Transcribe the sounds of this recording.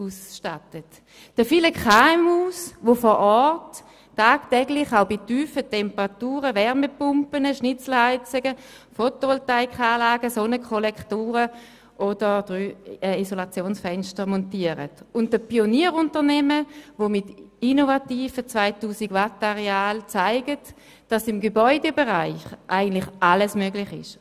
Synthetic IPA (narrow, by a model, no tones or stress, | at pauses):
uːsʃtatət | d̥əfiləkχamhuːsʋofɔɾʔɔtː | aːktɛɡlɪχaʊbityːfətɛmpəʁatuːʁəʋɛʁməpʊmpənəʃnɪt͡sl̩haɪt͡səɡə | fotoltaɪkχaːlaːɡəsonəkʰχolɛkχtuːʁə | ʔod̥əʁd̥ʁyːɛːisolat͡sjoːnsfɛnʃtəʁmɔntiəʁə̰tʊnt̚d̥əpioniəʁʊntəʁnɛməvomɪtinovatiːfət͡svaɪtuːsiɡʋataʁeaːlt͡saɪɡət | d̥ɑsɪmɡebɔʏdebeʁaɪχʔaɪɡən̩tlɪχʔaləsmøɡlɪχɪ̰ʃ